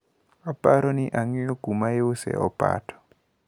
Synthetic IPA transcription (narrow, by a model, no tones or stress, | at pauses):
ɔpaɾɔniʔaŋiɔɡ̥umaeʊsɛ̰ɔ̰pa̰tɔ̥